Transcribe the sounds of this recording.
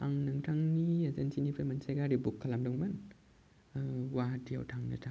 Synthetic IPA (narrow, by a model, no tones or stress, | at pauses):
ʔa̰ŋnɯŋtʰaŋniazansinipʰamansajkaɾibukʰːalamdɔŋman | waɦtʰia̰wtʰaŋnɯ̰tʰaŋ